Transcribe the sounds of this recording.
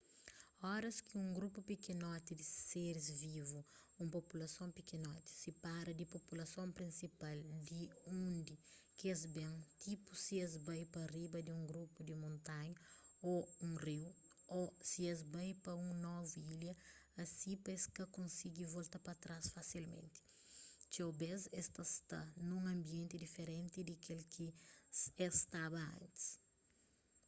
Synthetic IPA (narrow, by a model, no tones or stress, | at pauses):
ɔɾɐskiũŋɡɾupupikenɔt̪id̪ɪseɾɪzvivu | ũmpopulɐsõpikenɔt̪i̥sipaɾɐd̪ipopulɐsõmpɾĩnsipald̪iũnd̪i | kɪɐzbẽŋt̪ipusiɐzbajpɐribɐd̪iũŋɡɾupud̪imõnt̪ãɲɐoũŋriw | osiɛzbajpɐũŋnɔvuiljɐɐsĩpɐeskɐkõnsiɡivolt̪ɐpɐt̪ɾasfasilmḛ̃nt̪i̥ | t͡ʃewbezɛst̪ɐst̪a̰nũŋɐ̃mbiẽnt̪id̪ifeɾẽnt̪id̪ikelkʰi | ɛst̪abɐɐ̰̃nt̪i̥s